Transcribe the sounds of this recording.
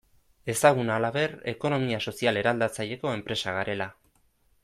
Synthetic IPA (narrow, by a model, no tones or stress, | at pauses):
e̞saɣ̞unaːlaβe̞re̞̰ko̞no̞miaso̞siale̞ɾald̪at͡saʎe̞ko̞e̞mpɾe̞saɣaɾe̞la